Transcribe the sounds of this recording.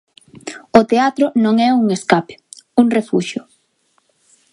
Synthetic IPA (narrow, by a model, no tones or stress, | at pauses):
ʊt̪eat̪ɾʊnõŋɛuŋeskape̥uŋrefṵʃʊ